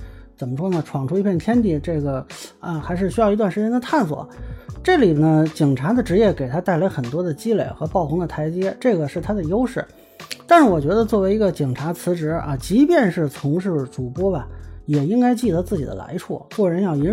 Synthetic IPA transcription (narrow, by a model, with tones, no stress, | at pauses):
t͡sə˨˩mə˦ʂwɔ˥nə˨ʈ͡ʂʰwɑ˨˩ŋʈ͡ʂʰu˥i˧˥pʰjɛ˥˩nt̪ʰjɛ˥nt̪̬i˥˩ʈ͡ʂɤ˥˩ɡə˩ə˧˩xa˧˥ɪʂɻ̩˥˧ɕy˥jɑ˥˧ʊi˧˥t̪wa˥˩nʂɻt͡ɕjɛ˥nd̪ə˧t̪ʰa˥˩nswɔ̰˨˩˦ʈ͡ʂɤ˥˩li˨˩nə˦t͡ɕi˨˩ŋʈ͡ʂʰa˧˥d̪ə˧ʈ͡ʂɻ̩˧˥jɛ˥˩ke˨˩ɪt̪ʰa˥t̪a˥˩ɪla˧˥ɪxə˨˩nt̪wɔ˥d̪ə˨t͡ɕi˥lḛ˨˩ɪxɤ˧˥pɑ˥˩ʊxʊ˧˥ŋd̪ə˨t̪ʰa˧˥ɪt͡ɕjɛ˥ʈ͡ʂɤ˥˩ɡə˩ʂɻ̩˥˩t̪ʰa˥d̪ə˨jo˥ʊʂɻ̩˥˩ | t̪a˥˧nʂɻ̩˥˩wɔ˨˩t͡ɕɥɛ˧˥d̪ə˧t͡swɔ˥˩we˧˥ɪi˧˥ɡə˧t͡ɕi˨˩ŋʈ͡ʂʰa˧˥t͡sʰɹ̩˧˥ʈ͡ʂɻ̩˧˥ɐ̰˧˩t͡ɕi˧˥pjɛ˥˧nʂɻ̩˥˩t͡sʰʊ˧˥ŋʂɻ̩˥˩ʈ͡ʂu˨˩pwɔ˥bɐ˨jɛ˨˩i˥ŋka˥ɪt͡ɕi˥˩d̪ɤ˧˥t͡sɹ̩˥˩t͡ɕi˨˩d̪ə̰˦la̰˧˥ɪʈ͡ʂʰṵ˥˩xwɔ˥˩ɻə˧˥njɑ˥˩ʊi˧˥